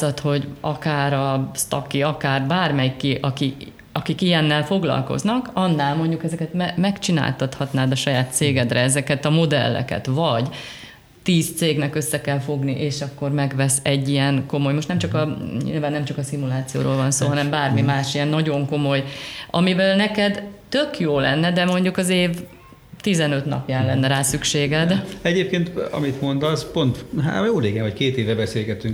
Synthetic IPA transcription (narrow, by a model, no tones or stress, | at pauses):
ɒt̪ho̞ɟɒkaːɾɒst̪ɒkːiɒkaːrbaːrmɛjikːiʔɒki | ɒkikijɛnːɛlfo̞ɡlɒ̰lko̞̰znɒkɒnːaːlmo̞ɲɟukɛzɛkɛt̪mɛmɛkt͡ʃina̰ːlt̪ɒt̪hɒt̪naːd̪ɒʃɒjaːt̪seːɡɛd̪rɛɛzɛkɛt̪ɒmo̞d̪ɛ̰lːɛ̰kɛ̰t̪vɒɟ | t̪iːst̪seːɡnɛkø̞sːɛkɛlfo̞ɡniʔeːʃɒkːo̞rmɛɡʋɛsɛɟːijɛŋko̞mo̞jmoʃtnɛmt͡ʃɒkɒɲḭːlvaːnːɛmt͡ʃɒkɒsimulaːt̪sijo̰ːɾo̰ːlvɒnso̰ːɦɒnɛmbaːrmimaːʃijɛnːɒɟo̞ŋko̞mo̞jɒmivɛlnɛkɛd̪t̪økjoːlɛ̰nːɛd̪ɛmo̞ɲɟukɒzeːv | t̪izɛnø̞t̪nɒ̰pjaːnlɛnːɛɾaːsykʃeːɡɛd̪ɛɟeːp̚keːnt̪ɒ̰mit̪mo̞nd̪ɒzpo̞nt̪ɦa̰joːleːɡɛvɒckeːt̪eːvɛbɛseːlɡɛt̪yŋ